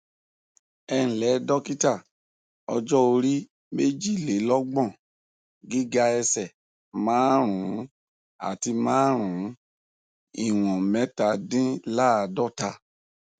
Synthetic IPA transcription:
ɛ˧ñ̩˨lɛ˨˦dɔ˦ki˦ta˦˨ | ɔ̰˧d͡ʒɔ˦o˧ɾi˦ | me˦d͡ʒi˦˨le˨˦lɔ˦ɡ͡bɔ̃˦˨ | ɡi˦ɡa˧ɛ˧sɛ˨ | mãː˨˦ɾ̃ũ˨˦ | a̰˨ti˧mãː˦ɾ̃ũ˨˦ | i˦˨w̃ɔ̃˨mɛ̃˨˦ta˧˦dĩ˦la˦a˧dɔ˦ta˧

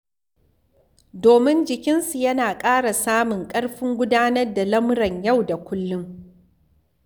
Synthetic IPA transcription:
doː˨mɪ˦nd͡ʒɪ˨kʲɪ˦nsu˨jɐ˦naː˨kʼaː˦ɽa˨saː˦mʊ˨ŋkʼɐ˦ɽɸɪ˦ŋɡʷʊ˦daː˦nɐ˦rda˨lɐ˦mɽɐ˨ɲja˦˨wda˨kʷʊ˦lːʊ˦ŋ

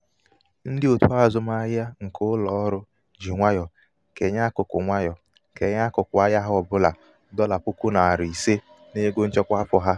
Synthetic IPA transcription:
n̩˦dɪ˦o˨tu˦a˦˨zʊ˦ma˦ɣja˦ŋ̩˨kʰʊ˦lɔ˨ɔ˦ɾʊ˦ | d͡ʒi˨ŋʷa˦jɔ˨ | ke˨ɲa˦kʊ˨kʊ̰˨ŋʷa˦jɔ˨ | ke˨˦ɲa˦kʊ˨kʷʊ˨a˦ja˦ɦɔ˨bʊ˦la˨ | dɔ˦la˨pʊ˦ku˦na˨a˨ɾi˨se˦ | ne˦ɡo˦n̩˦t͡ʃɔ˦kʷa˦pʊ˨ɦa˦

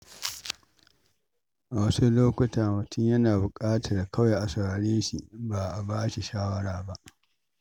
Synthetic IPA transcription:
ʔa˨wɐ˦su˦loː˦kʷʊ˦taː˨mʊ˨tʰʊ˦ɲjɐ˦naː˨bʊ˨kʼaː˦tɐ˨rda˨kɐ˦wje˨ʔa˨sʊ˨ɾaː˨ɽeː˦ʃi˨ba˨ʔa˨baː˦ʃi˨ʃaː˦wɐ˦ɽaː˨ba˦ʔ

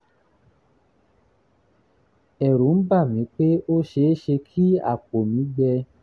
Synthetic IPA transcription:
ɛ˨ɾu˨˦n̩˦ba˦˨mĩ˨˦k͡pe˦o˦ʃe˧˦ʃe˧kʰi˦a̰˦˨k͡po˨mĩ˨˦ɡ͡bɛ˧

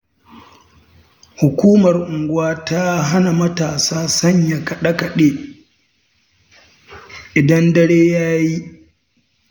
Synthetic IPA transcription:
hʊ˨kʷuː˦mɐ˨rʔʊ˨ŋɡʷʊ˦waː˦ta˦ɦa˦na˨mɐ˦taː˨saː˦sɐ˦ɲja˨kɐ˨ɗɐ˦kɐ˨ɗeː˦ | ʔɪ˨dɐ˦ndɐ˦ɽeː˦jaː˦ji˦

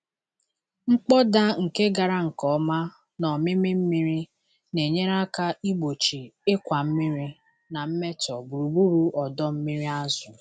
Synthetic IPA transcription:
ŋ͡m̩˦k͡pɔ˦da˦ŋ̩˨ke˦ɡa˨ɾa˦ŋ̩˨kɔ˨˦ma˦ | nɔ˨mɪ˦mɪ˦m̩˦mi˦ɾi˦ | ne˨ɲe˦ɾa˦ka˦i˦ɡ͡bo˨t͡ʃi˨ɪ˦kʷa˨m̩˦mi˦ɾi˦ | na˨m̩˦me˦tɔ˨bu˨ɾu˨bu˦ɾu˦ɔ˨dɔ˦m̩˦mi˦ɾi˦a˦zʊ˨

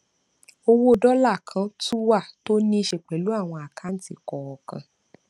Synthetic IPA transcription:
o˧wo˦˨dɔ˦la˦˨kʰã˧˦tu˦wa˦˨to˦nĩ˦˧ʃe˨k͡pɛ˨lu˨˦a˦˨w̃ɔ̃˧a˨kʰa˨˦n̩˦˨˦ti˦˨kɔ˨ɔ˨kã˧

